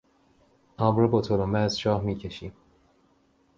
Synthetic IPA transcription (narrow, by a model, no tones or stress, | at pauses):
ɒːmɾobot̪ʰolomæːzʃɒːhmiːcʰeʃim